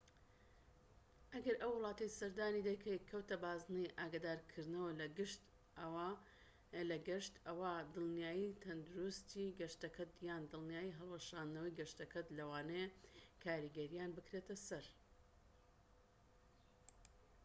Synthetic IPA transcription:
ʔɐɡɐɾʔɐwːɨlˠɑːt̪ɐjsɐɾd̪aːnid̪ɐjkʰɐjkʰɐwt̪ɐbaːznɨjʔaːɡaːd̪aːɾkʰɨɾd̪nɐwɐlɡɨʃt̪ | lɐɡɐʃt̪ɐwad̪ɨlˠnjaːjit̪ʰɐnd̪uɾust̪ʰiːɡɐʃt̪ɐkʰɐt̪jaːnd̪ɨlˠnijaːjiɦɐlˠwɐʃaːnd̪nɐwɐjɡɐʃt̪ɐkʰɐt̪lɐwaːnekʰaːɾiɡɐɾijaːnbɨkɾet̪ɐsɐɾ

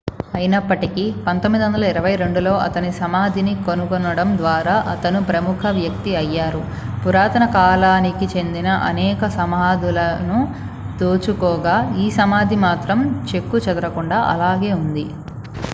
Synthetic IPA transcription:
ɐjinɐpːɐʈikipɐnt̪omːid̪iʋɐnd̪ɐlɐiɾɐʋɐjɾe̞ɳɖulo̞ːʔɐt̪ɐnisɐmaːd̪ʱinikonukonːɐɽɐmd̪ʋaːɾaːʔɐt̪ɐnupɾɐmukʰɐʋjɐk̚t̪iɐjːaːɾu | puɾaːt̪ɐnɐkaːlaːnikit͡ʃe̞nd̪inɐʔɐ̰nɛːkɐsɐmaːd̪ulɐnu | t̪oːt͡ʃukɔːɡaːiːsɐmaːd̪ʱimaːt̪ɾɐmt͡ʃe̞kːut͡ʃɐd̪ɐɾɐkuɳɖaːʔɐ̰laːɡe̞ːund̪i

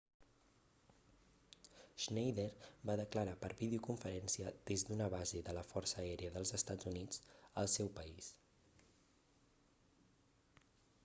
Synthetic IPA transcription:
ʒnejðeɾbaðəkləɾapəɾβiðeukuɱfəɾɛnsiəd̪ezd̪unəβazeðələfɔrsəɛɾiəðəlˠzəst̪ad͡zunid͡zəlˠsɛwpəis

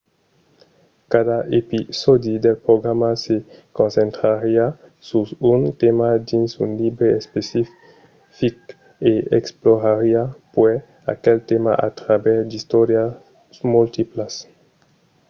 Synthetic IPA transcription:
kad̪aʔepisod̪id̪elpɾoɡɾamasekõnsẽnt̪ɾaɾia | suunt̪emad̪insunlibɾeespesi | fik | eḛksploɾaɾiapwɛ | a̰kelt̪ema̰ʔa̰t̪ɾabɛɾd̪ist̪oɾja | mult̪iplas

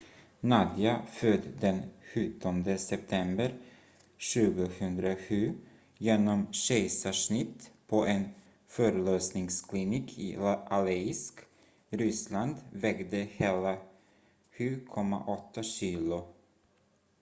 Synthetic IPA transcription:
nad̪ɪafœd̪d̪ɛnɧɵt̪ʰːɔnd̪əsɛp̚t̪ʰɛmbəɾ | ɕʉ̟ːɡəhɵnd̪ɾaɧʉ̟ː | jeːnɔmɕɛjsaʂɳɪt̪ːpʰɔʔɛn | fœːɾəløːsnɪŋskʰlɪniːkʰɪ̰ʔalɛɪsk | ɾʏsland̪vɛɡd̪əheːla | ɧʉ̟ːkʰɔmːa̰ʔɔt̪ʰːaɕiːlʊ

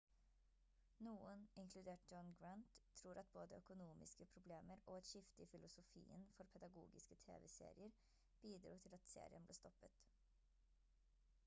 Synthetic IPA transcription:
nuːənɪŋkʰlʉd̪eːʈ̚d͡ʒɔnɡɹɑnt̪ʰːɾuːɾʔɑt̪̚boːd̪əœkʊnuːmɪ̰skəpʰɾʊbleːməɾʔoːɑt̪ʃɪft̪əifɪlʊsʊfḭːə̰nfɔɾpʰɛd̪ɑɡṵːɡɪskət̪ʰḛːʋɛsḛːɾɪəɾ | b̥iːd̪ɾuːt̪ʰɪlɑt̪sḛːɾɪə̰nblḛːst̪ɔpət̪

